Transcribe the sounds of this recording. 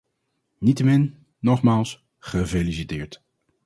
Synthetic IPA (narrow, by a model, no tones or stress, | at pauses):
nitəmɪnː | ɔχmaːlˠs | χəvelisitɪːɹt